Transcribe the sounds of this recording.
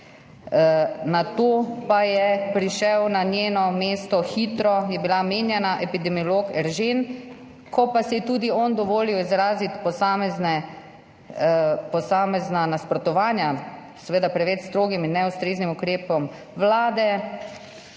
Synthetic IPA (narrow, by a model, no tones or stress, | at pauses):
nat̪oːpajɛpɾiʃɛwnanjeːnɔmeːst̪ɔxiːt̪ɾɔjɛbilameːnjɛnaʔɛpid̪ɛmiɔloːkɛɾʒen | kʰɔpasɛjɛt̪uːd̪iɔnd̪ɔʋoːliwizɾaːzit̪pɔsaːmɛznɛ | pɔsaːmɛznanaspɾɔt̪ɔʋaːnja | sɛʋeːd̪apɾɛʋɛt͡ʃst̪ɾoːɡiminːɛust̪ɾeːznimukɾeːpɔm | ʋlaːd̪ɛ